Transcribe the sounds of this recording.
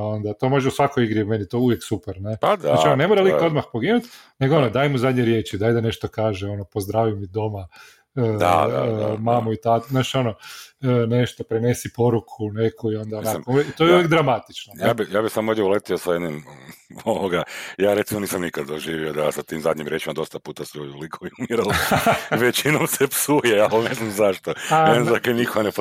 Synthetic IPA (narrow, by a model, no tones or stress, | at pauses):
ao̞nd̪at̪o̞mo̞ʒeusʋakojiɡɾimenit̪ouʋjeksupeɾnead̪at͡ʃionne̞moɾalio̞d̪maxpoɡinut̪neɡoonod̪ajmuzad̪ɲeɾje̞t͡ʃid̪ajd̪ane̞ʃt̪okaːʒeo̞nopozd̪ɾaːʋimid̪o̞ma | a̰ | mamuit̪at̪naːt͡ʃo̞no | ne̞ʃt̪opɾene̞sipo̞ɾukʰune̞kʰuio̞nd̪aonamkouekit̪ojeuʋjeɡd̪ɾamat̪it͡ʃnojabijaːbisamood̪jɛolet̪iosajed̪nimoʋoɡajaːɾet̪simoniːsamnikad̪d̪oʒiːʋiod̪asat̪iːmzad̪ɲimɾjeːt͡ʃimad̪o̞st̪apuːt̪asʎud̪iolikʰoiumiɾalʋet͡ʃinomsepsujeaneznamzaʃt̪oaenzakenikoɡanep